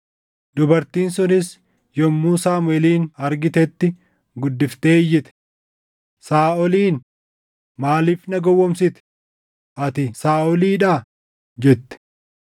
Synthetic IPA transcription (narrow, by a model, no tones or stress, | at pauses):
d̪ʊbɐɾt̪iːnsʊnɪs | jɔmːuːsaːmʊɛliːnɐɾɡɪt̪ɛt̪ːɪ | ɡʊd̪ːɪft̪eːjːɪt̪ɛ̥ | saːɔliːn | maːliːfnɐɡɔwːɔmsɪt̪ɛ̥ | ʔɐt̪ɪsaːɔliːᶑaː | d͡ʒɛt̪ːɪ̥